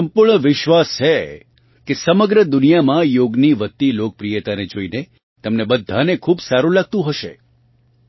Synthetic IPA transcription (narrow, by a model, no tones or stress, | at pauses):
əmpuɾɳəʋɪʃʋast͡ʃʰe | kesəməɡɾəd̪ʊnijamãjoɡniʋət̪ːilok̚pɾijət̪aned͡ʒoine | t̪əmnebəd̪ʱːanekʰubsaɾũlaɡ̚t̪ũɦəʃḛ